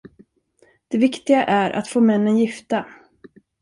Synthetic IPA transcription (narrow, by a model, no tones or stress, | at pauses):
d̪̥ɛvɪkt̪ɪɡaʔæɾʔa̰t̪foːmɛnːənjɪft̪a